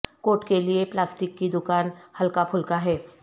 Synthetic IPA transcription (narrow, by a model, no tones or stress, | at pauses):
koːʈkelieplaːsʈɪkːid̪ʊkaːnhɐlkapʰʊlkaɦɛː